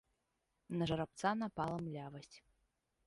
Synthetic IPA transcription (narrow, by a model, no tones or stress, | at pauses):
nɐʐɐɾap̚t̪sanapalˠɐmlʲavɐsʲt͡sʲ